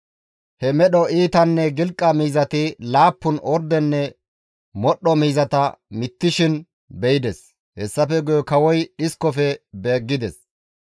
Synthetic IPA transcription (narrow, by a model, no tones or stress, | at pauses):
hɛmɛɗɔʔiːt̪ɐnːɛɡɪlkʼːɐmiːzɐt̪ɪlaːpːʊnʔɔɾd̪ɛnːɛ | mɔɗːɔmiːzɐt̪ɐmɪt̪ːɪʃɪn | bɛjɪd̪ɛs | hɛsːɐfɛɡʊjɔkɐwɔjɗɪskːɔfɛbeːɡːɪd̪ɛs